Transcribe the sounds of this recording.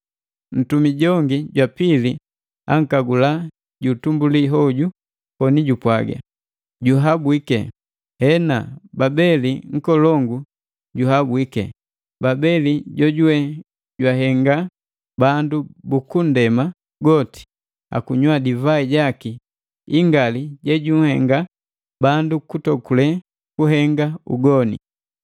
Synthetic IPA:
n̩tumiɟɔŋɡiɟwapili | a̰ŋ̩kaɡula | ɟutumbuliɦɔɟu | kɔniɟupwaɡa̰ | ɟuɦabwikɛ̰ | hɛnababɛliŋ̩kɔlɔŋɡu | ɟuɦabwikɛ̰ | babɛliɟɔɟuwɛ | ɟwaɦɛŋɡa | bandubukundɛma | ɡɔti̥ | a̰kuɲwadivaiɟaki | iŋɡaliɟɛɟuŋ̩hɛŋɡa | bandukutɔkulɛ | kuɦɛŋɡaṵɡɔnḭ

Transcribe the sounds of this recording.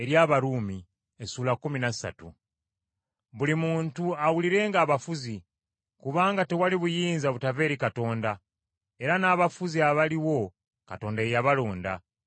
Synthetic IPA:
e̞ɾjaːβaɾuːmi | esuːlakuminasa̰tṵ | βulimuːntuawuliɾe̞ːŋɡaːβafuzi | kuβaːŋɡate̞waliβujiːnzaβutave̞ːɾikato̞ːnda | e̞ɾanaːβafuziaβaliwo̞ | kato̞ːndaejaβalo̞ːnda̰

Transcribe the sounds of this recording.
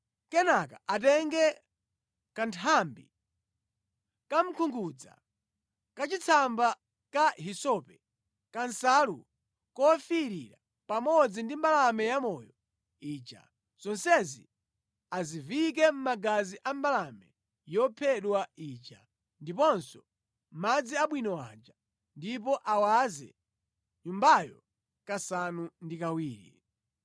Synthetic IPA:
kɛnakaʔatɛŋɡɛ | kantʰambḭ | kam̩kʰuŋɡud͡za̰ | kat͡ʃit͡sʰamba | kaɦisɔpɛ | kansalṵ | kɔfiɾḭɾa | pamɔd͡zindimbalamɛjamɔjɔ | iːt͡ʃa̰ | z̥ɔnsɛzḭ | azivik̬ɛm̩maɡaziʔambalamɛ | jɔpʰɛɗwaiːt͡ʃa̰ | ndipɔnsɔ | mad͡ziaɓwinɔwa̰d͡ʒa | ndipɔʔawazɛ̰ | ɲumbajɔ̰ | kasanundikawiːɾḭ

